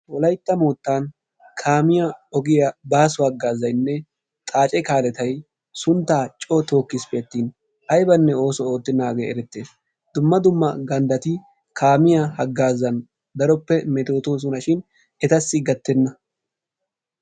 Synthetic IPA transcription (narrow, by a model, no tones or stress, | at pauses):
wɔlɐjt̪ːɐmoːt̪ːaːn | kʰaːmɪjɐɔɡɪjɐbaːsʊhɐɡːaːzːɐjnːɛ | t̪ʼaːt͡ʃʼɛkaːlɛt̪ɐj | sʊnt̪ːaːt͡ʃʼɔt̪o̞ːkːɪspeːt̪ːiːn | ʔɐjbɐnːɛo̞ːsɔoːt̪ːɪnːaːɡeːɛɾɛt̪ːeːs | d̪ʊmːɐd̪ʊmːɐɡɐnd̪ɐt̪ɪ | kʰaːmɪjɐhɐɡːaːzɐn | d̪ɐɾɔpːɛmɛt̪o̞ːt̪us̬ʊnɐʃɪn | ɛt̪ɐsːɪɡɐt̪ːɛnːɐ